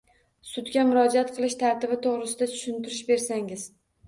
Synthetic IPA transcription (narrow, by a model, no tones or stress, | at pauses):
sʊd̪ɡʲamʊɾɒd͡ʒaat̪qʰɨlˠɪʃt̪ʰaɾt̪ɪbɪt̪ʰoʁɾɪsɪd̪at̪ʰʊ̥ʃɪnt̪ɪɾɪʃbe̞ɾsaŋɪz̥